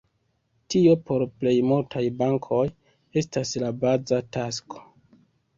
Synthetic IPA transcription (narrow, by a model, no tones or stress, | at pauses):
tio̞po̞ɾple̞jmultʰajbaŋkʰo̞j | e̞staslabazatasko̞̥